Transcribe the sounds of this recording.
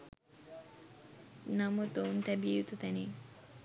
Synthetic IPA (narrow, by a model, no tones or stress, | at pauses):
namot̪ownt̪ɛbiejut̪ut̪ɛne